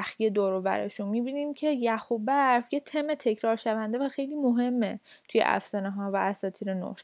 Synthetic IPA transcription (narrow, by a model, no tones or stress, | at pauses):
æxije̞d̪oɾovæ̰ɾḛʃunmiːbiːniːmcʰe̞jæxubæɾfjet̪ʰemet̪ʰe̞cʰɾɒːɾʃævænd̪evæxe̞jliːmoɦe̞mːe | t̪ʰuje̞̰ʔæ̰fsæneɦɒːvææsɒːt̪ʰiːɾeno̰